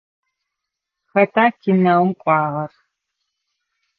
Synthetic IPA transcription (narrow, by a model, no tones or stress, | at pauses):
xɐtʰaːkʰɪnɐwmqʷʼɑːʁɐr